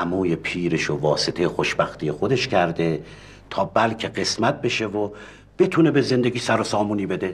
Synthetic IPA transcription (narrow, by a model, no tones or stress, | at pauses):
æmuːjepʰiːɾeʃovɒːset̪ʰejexoʃbæxt̪ʰijexo̞d̪e̞ʃcʰæɾd̪e̞ | t̪ʰɒːbælcʰeɢe̞smæt̪̚be̞ʃevo | b̥et̪ʰuːne̞be̞ze̞nd̪eɡʲiːsæɾosɒːmuːniːbe̞d̪e